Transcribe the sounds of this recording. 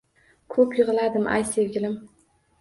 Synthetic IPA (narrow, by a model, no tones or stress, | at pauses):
kʰɵpjɪʁɨlad̪ɪmʔa̰jse̞vɡʲɪlɪm